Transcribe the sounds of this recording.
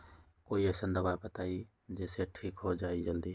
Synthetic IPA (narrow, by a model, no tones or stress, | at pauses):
koːiəsə̃nd̪əʋaːpɐt̪aːiː | d͡ʑeːseʈʰiːkɦod͡ʒaːid͡ʒɐld̪iː